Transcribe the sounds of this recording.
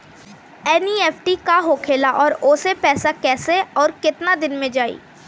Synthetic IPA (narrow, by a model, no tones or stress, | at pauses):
ɛnieːpʰʈikaɦokʰeːlaʔɔːɾʊːsepɛːsakɛːseɔːɾkɪt̪nad̪ɪnmẽd͡ʒaːḭː